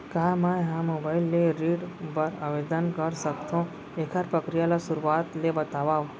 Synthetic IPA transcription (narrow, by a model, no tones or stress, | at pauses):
kaːmaɦãmobaːɪlːeɾiːɖpəɾaʋed̪ənkəɾsəkt̪ʰõ | ekʰaɾpɾəkɾijaːlasʊɾuaːt̪lebət̪aːʋaː